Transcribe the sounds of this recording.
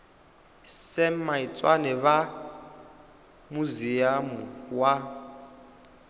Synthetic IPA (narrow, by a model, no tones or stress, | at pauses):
sɛmait͡sʼwanɛβa | muzijamuwa